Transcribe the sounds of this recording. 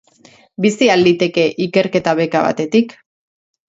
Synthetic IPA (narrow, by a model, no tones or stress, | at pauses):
bisiald̪it̪e̞ke̞ʔike̞ɾke̞t̪aβe̞kaβa̰t̪e̞t̪ik